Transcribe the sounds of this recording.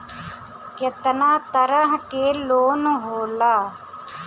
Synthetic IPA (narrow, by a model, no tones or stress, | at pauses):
ket̪naːt̪əɾəɦkeːloːnɦoːlaː